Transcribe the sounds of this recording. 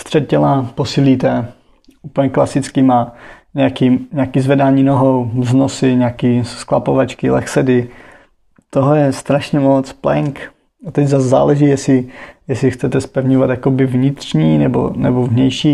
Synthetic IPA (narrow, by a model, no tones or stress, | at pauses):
st̪r̥ɛt̪̚cɛlaposiːliːt̪ɛ | ʔuːpl̩ɲɛklasɪt͡skimaɲɛakiːɲakiːzvɛdaːɲiːnoɦowznosɪɲaːkiːskla̰povat͡ʃkɪlɛ̰xsɛdɪ | t̪oɦɛjɛst̪ɾaʃɲɛmot͡splɛŋk | at̪ɛɟzasza̰ːlɛʒiːjɛsɪjɛsɪxt͡sɛt̪ɛspɛvɲovat̪jakobɪvɲɪt̪r̝̥ɲiːnɛbo̰nɛ̰bovɲɛjʃiː